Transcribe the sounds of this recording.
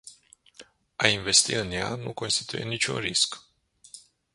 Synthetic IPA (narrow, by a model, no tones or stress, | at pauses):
ainve̞st̪iɨnja̰nṵko̞nst̪it̪ujḛnit͡ʃʲṵnrisk